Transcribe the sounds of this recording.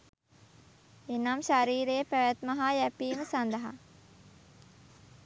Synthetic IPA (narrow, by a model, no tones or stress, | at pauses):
enamʃaɾiːɾeːpæʋæt̪maɦaːjæpiːməsand̪ɐɦa̰